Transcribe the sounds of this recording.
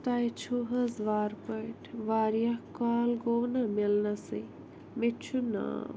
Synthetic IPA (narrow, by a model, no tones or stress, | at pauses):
t̪ajt͡ʃʰuɦɐzʋaːɾpɐjʈʰʋaːɾjakaːlɡoːwnamelnɐsi | mit͡ʃʰuna̰ː